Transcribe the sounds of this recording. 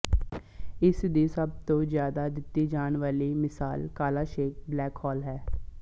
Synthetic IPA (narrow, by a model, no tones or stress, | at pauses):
ɪsd̪iːsəb̚t̪õːzjaːd̪aːd̪ɪt̪ːiːd͡ʒaːnʋaːliːmɪsaːlkaːlaːʃeːk̚blɛːkhɔːlɦɛː